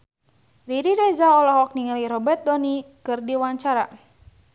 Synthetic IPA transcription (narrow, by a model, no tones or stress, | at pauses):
ɾiɾiɾezaɔlahwak̚niŋəliɾɔbɛrt̪̚dɔnikɨrdiwaɲt͡ʃaɾa̰